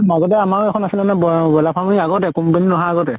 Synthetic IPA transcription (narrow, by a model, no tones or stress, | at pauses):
maɡɔt̬ɛamaɹɛkʰɔnasilɛnɛbbɔlapʰamuniaɡɔtɛkumpeninɔɦaːɡɔtɛ